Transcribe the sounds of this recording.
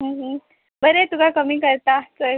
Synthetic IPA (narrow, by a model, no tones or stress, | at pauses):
ɦə̃ɦə̃ | bəɾet̪ukakəmiːkəɾt̪at͡sə